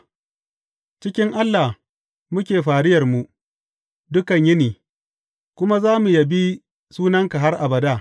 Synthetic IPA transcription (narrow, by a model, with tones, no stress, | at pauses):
t͡ʃɪ˦kʲɪ˦ŋʔa˦lːa˨h | mʊ˦kʲeː˨ɸaː˨ɽɪ˦jɐ˨rmu˨ | dʊ˦kɐ˨ɲjɪ˦niː˨ | kʷʊ˦ma˦zaː˦mu˨ja˨bi˦ | suː˦nɐ˦ŋka˨ɦa˦rʔa̰˨bɐ˨daː˦˨